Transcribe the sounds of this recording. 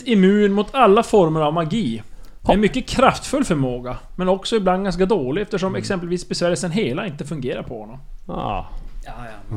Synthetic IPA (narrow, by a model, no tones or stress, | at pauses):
ɪmʉ̟ːnmʊt̪ʰalːafɔɾməɾavmaɡiːhɛnmʏkːəkʰɾaft̪fɵlːfœɾmoːɡamɛnɔksɔɪbland̪̚ɡans̬kad̪oːlɪɛft̪əʂɔmɛksɛmpəlviːsbɛsvæːɾəsənɦeːlaɪnt̪əfɵŋɡeːɾa̰ɾpʰɔhɔ̰nːɔm